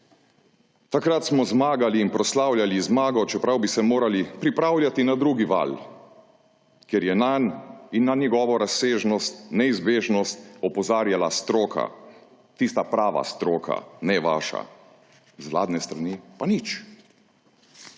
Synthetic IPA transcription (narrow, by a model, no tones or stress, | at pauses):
t̪akɾat̪smɔzmaːɡaliːnpɾɔslaːwljalizmaːɡɔt͡ʃɛpɾawbisɛmoːɾalipɾipɾaːwlʲjat̪inad̪ɾuːɡiʋa̰l | kjɛɾjɛnaninːanjɛɡɔːʋɔɾasːeːʒnɔst̪nɛizbeːʒnɔst̪ɔpɔzaːɾjalast̪ɾoːkʰa̰ | t̪ist̪apɾaːʋa̰st̪ɾoːkʰa̰nɛʋaːʃa̰ | zʋla̰ːd̪nɛst̪ɾanipanit͡ʃ